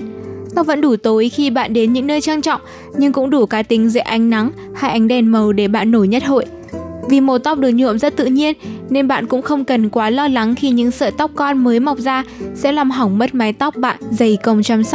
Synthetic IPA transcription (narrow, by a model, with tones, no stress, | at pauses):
t̪ɔ˦˩və̰˧˥nɗu˧˩t̪o˨˦jxi˧ɓa̰ː˧˨nɗe˨˦nɲɨ̰˧˥ŋnəː˧jt͡ɕaː˧ŋt͡ɕɔ̰˧˨wŋ͡m | ɲɨ˧ŋkʊ̰˧˥ŋ͡mɗu˧˩kaː˨˦t̪ï˨˦ŋ̟zḛ˧˨˩ʔa˨˦jŋ̟na˨˦ŋ | ha˧jʔa˨˦jŋ̟ɗɛ˨˩nmə˨˩wɗe˧˩ɓa̰ː˧˨nːo˧˩jɲə˦˥t̚ho̰˧˨j | vi˨˩mo˨˩t̪a˦˥wk͡p̚ɗɨ˨˩ək̚ɲṵ˧˨əmzə˦˥t̚t̪ɨ̰˧˨ɲi˧ənne˧nɓa̰ː˧˨nkʊ̰˧˥ŋ͡mxə˧wŋ͡mkə˨˩nkwaː˨˦lɔ˧la˨˦ŋxi˧˩ɲɨ̰˧˥ŋsə̰ː˧˨t̪ɔ˦˥wk͡p̚kɔ˧nməː˨˦jma˨˩wk͡p̚zaː˧sɛ̰˧˥laː˨˩mɦa˨˩wŋ͡mmə˦˥t̚ma˨˦jt̪wk͡p̚ɓa̰ː˧˨nzə˨˩jkə˧˩wŋ͡mt͡ɕaː˧msa˦˥